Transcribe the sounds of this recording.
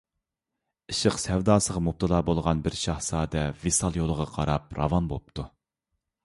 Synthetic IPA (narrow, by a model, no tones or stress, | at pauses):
ɨʃəqsɛwd̪ɑːsəʁɑmup̚t̪ʰɨlˠɑːbolˠʁɑnbɪɾʃɑhsɑːd̪ɛvesɑlˠjolˠəʁɑqʰɑɾɑpɾɑ̰vɑnbop̚t̪ʰu